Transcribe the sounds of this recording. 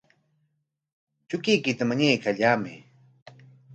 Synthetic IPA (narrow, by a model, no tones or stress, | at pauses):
t͡ʃʊkɪjkɪt̪amaɲajkaʎaːmɪ̰